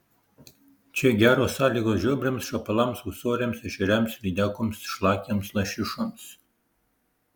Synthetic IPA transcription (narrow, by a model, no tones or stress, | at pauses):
t͡ʃʲɛɡʲæːɾoːsɑːlʲiːɡoːsʒʲuːbʲɾʲɛmsʃɐpɐlˠɐmsusoːɾʲɛmsɛʃʲɪɾʲæmsʲɾʲid̪ʲækɔmsʃlˠɑːkʲɛmslˠɐʃʲɪʃɔms